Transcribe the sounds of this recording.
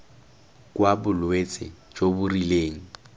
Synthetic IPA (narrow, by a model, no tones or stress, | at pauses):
kwabʊlwet͡sʼɪ̰ | d͡ʒobʊrileːŋ̩